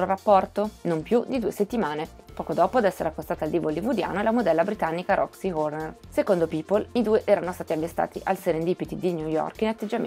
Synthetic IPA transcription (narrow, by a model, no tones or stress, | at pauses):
ɾorapːɔrt̪onompjud̪id̪uːeset̪ːimaːne | pɔːkod̪ɔːpod̪ɛsːeɾakːost̪aːt̪ald̪ivolivud̪ja̰ːnoelamod̪ɛlːabɾit̪anːikaɾʔɔ̰ksiɣornersekond̪opiːpolid̪uːeʔɛːɾanost̪aːt̪iavːest̪a̰ːt̪ḭʔalseɾend̪iːpit̪id̪iɲjujɔ̰rkinat̪ːed͡ʒːam̰